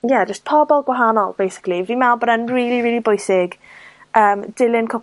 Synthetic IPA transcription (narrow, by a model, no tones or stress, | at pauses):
jɛd͡ʒəstpʰɔbɔlˠɡwaɦanɔlˠb̥ejsɪ̥klivdimɛlˠbɔdanriːlˠiɹiːlˠibʊjsɪɡ | əːmd̥ɪlˠɪnkʰʊ